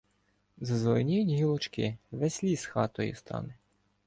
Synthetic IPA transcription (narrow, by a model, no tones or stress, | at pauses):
zɐzlɔnʲijnʲiɦilˠɔt͡ʃkɪʋɛsʲlʲisxɑt̪ɔjʊ̰st̪ʰɑ̰nɪ